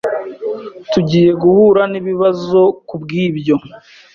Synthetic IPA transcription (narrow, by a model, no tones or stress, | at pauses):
tuɟiːje̞ɡuhuːɾaniβiβazo̞kubɡiːbɟo̞